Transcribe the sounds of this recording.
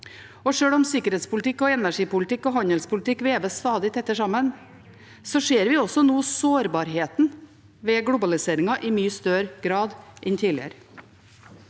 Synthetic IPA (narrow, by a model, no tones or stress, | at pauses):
ɔʂøːɽɔmsɪkəɾɛːt̪spʊlɪt̪ʰɪkːɔɛnæʂiːpʊlət̪ɪkːɔɦɑnəlspʰʊlɪt̪ʰɪkːʋeːʋəst̪ɑːd̪ɪt̪ʰɛt̪ːəʂɑmən | sɔʂeːɾʋɪɔsɔnuːsoːɾbɑːɾɦeːt̪n | ʋeːɡɽʊbɑlɪseːɾɪŋɑʔɪmyːəst̪œɾɡɾɑːd̪ʔɛnt̪ʰiːlɪ̰ə̰ɾ